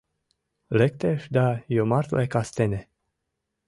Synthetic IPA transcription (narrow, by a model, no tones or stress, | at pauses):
lek̚t̪eʃd̪ajomaɾt̪lekast̪ene